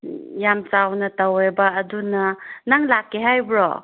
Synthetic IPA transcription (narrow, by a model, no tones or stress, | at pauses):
jamt͡ʃawnɐtawebɐːdunɐnaŋlakːeɦajbɾɔ̰